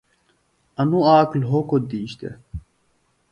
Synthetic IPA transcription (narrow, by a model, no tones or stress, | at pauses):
ɐnuaːklɦokod̪iːɕt̪ḛ